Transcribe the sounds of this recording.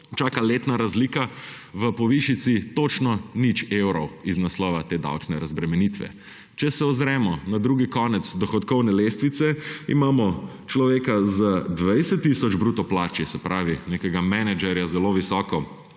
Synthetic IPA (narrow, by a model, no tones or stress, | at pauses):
t͡ʃaːkaleːt̪naɾazlika | ʋəpɔʋiʃit̪sit̪ot͡ʃnɔnit͡ʃewɾɔwiznaslɔːʋat̪eːd̪a̰wt͡ʃnɛɾazbɾɛmɛnit̪ʋɛ̰ | t͡ʃɛsɛɔzɾɛːmɔnad̪ɾuːɡikɔːnɛt̪sd̪ɔxɔt̪kɔwnɛleːst̪ʋit̪sɛimaːmɔ | t͡ʃlɔʋeːkazəd̪ʋajsɛt̪ːisɔd͡ʒbɾuːt̪ɔplaːt͡ʃisɛpɾaːʋinekɛɡamɛnɛd͡ʒɛɾjazɛloʋisɔːkɔ